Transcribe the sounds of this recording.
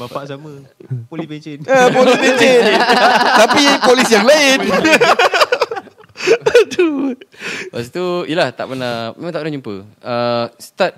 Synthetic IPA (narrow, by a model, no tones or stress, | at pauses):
maaʔsamə | pieenəpolisbet͡ʃe | t̪apiipolisjaŋlaɪn | d̪u | basət̪uilaht̪a̰ʔpənamḛ̃mãŋt̪apənad͡ʒumpə̰əst̪at̪̚